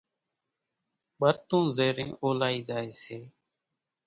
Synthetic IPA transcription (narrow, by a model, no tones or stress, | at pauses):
ɓəɾt̪ũːzeːɾĩːʔoːlaːiːd͡ʒaːeːseː